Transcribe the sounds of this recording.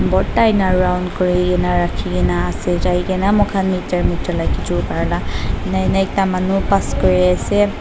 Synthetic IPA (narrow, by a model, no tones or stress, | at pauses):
bɔtajnaɹuɹawndkɔɹiɡɛnaɹakʰiɡɛnaːsɛzajɡɛnamɔkʰanmitaɹmitɔlajkitʰupaɹlanaɛnaɛk̚tamanupaskɔɹiasɛ